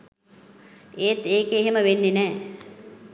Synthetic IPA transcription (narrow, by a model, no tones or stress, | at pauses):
eːt̪eːkeːɦeməʋenːenɛː